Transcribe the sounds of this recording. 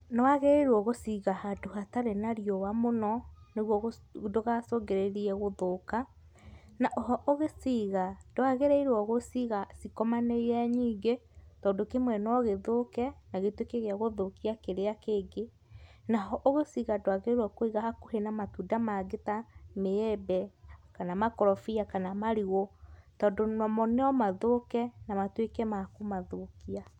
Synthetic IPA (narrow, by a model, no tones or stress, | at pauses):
nɔwaɣeɾeɾwɔɣosiɣahadohataɾenaɾiɔwamonɔneɣwɔɣdoɣasoɡeɾeɾiɛɣoðoka | naʔɔɦɔʔoɣesiɣad̥oaɣeɾeiɾwɔɣosiɣasikɔmaneɛɲiːɡetɔːndokemwɛnɔɣeðokɛnaɣetwekeɣeaɣoðokiakeɾeakeːɡe | naɦɔʔoɣesiɣadwaɣeeɾwɔkoiɣahakohenamatudamaɡetameɛbɛkanamakɔɾɔfiakanamaɾiɣotɔːndonɔmɔnɛɔmaðokɛnamatwekɛmakomaðokia